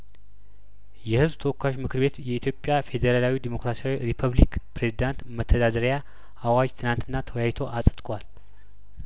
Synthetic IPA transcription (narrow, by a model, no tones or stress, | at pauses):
jɛhɨzbt̪ʰəwɔkːaot͡ʃmɨkʰɨɾbe̞t̪jɛit̪jo̞pʼːjafe̞d̪eɾalawid̪emo̞kɾasiawiɾipʰəβlikpɾe̞zid̪ant̪mət̪ʰːəd̪ad̪əɾja | ʔawad͡ʒt̪ʰɨnant̪ʰɨnːat̪ʰəwjajt̪ʰo̞ʔasʼə̥t̪ʼkʼwal